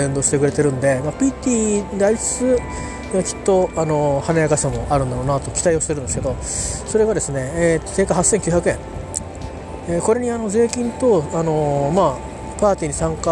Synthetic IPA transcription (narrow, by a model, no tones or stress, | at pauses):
end̪o̞ːɕi̥t̪e̞kɯ̟ɾe̞t̪e̞ɾɯ̟̃nd̪e̞mapʲit̪ʲiːd̪ait͡sɨ̥t͡sɨ | akʲi̥t̪ːo̞ano̞hanajakaɕamo̞ʔaɾɯ̟̃nd̪aɾonat̪o̞kʲi̥t̪aioɕt̪e̞ɾɯ̟nd̪esɨked̪o̞ | so̞ɾe̞ɡad̪e̞sɨne̞t̪ːose̞ːkahasːẽ̞ŋkʲɯ̟çjakɯ̟ẽ̞ŋ | eko̞ɾe̞ɲ̟iano̞ze̞ːkʲĩnt̪o̞ano̞maː | paːt̪ʲiːɲ̟isãŋka